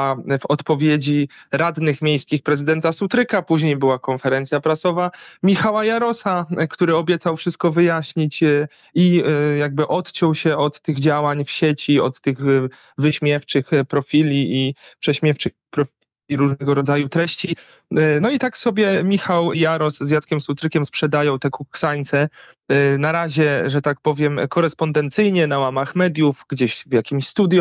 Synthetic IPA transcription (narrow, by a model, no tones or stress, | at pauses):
avɔt̪pɔvʲjed͡ʑiɾad̪nɘxmʲjejskʲixpɾɛzɘd̪ɛnt̪asut̪ɾɘkapuʑɲejbɘwakɔnfɛɾɛnt̪sʲjapɾasɔvamʲixawajaɾɔsakt̪uɾɘɔbʲjɛt̪sawfʂɘst̪̚kɔvɘjaɕɲit͡ɕ | ijaɡ̚bɘʔɔt̪t͡ɕɔ̃wɕɛɔt̪t̪ːɘɣd͡ʑawaɲfɕet͡ɕiɔt̪ːɘɣ | vɘɕmʲjɛft͡ʂɘxpɾɔfʲilʲiipʂɛɕmʲjɛft͡ʂɘxpɾɔfʲi | iɾuʐnɛɡɔɾɔd̪zajut̪ɾɛɕt͡ɕi | nɔit̪aksɔbʲjɛmʲixawjaɾɔszjat̪skʲɛmsut̪ɾɘkʲɛmspʂɛd̪ajɔ̃w̃t̪ɛkuksaɲt̪sɛ | naɾaʑɛʐɛt̪ak̚pɔvʲjɛmkɔɾɛspɔnd̪ɛnt̪sɘjɲɛnawamaxmɛd̪ʲjufɡd͡ʑeɕvjakʲimɕst̪ud̪ʲj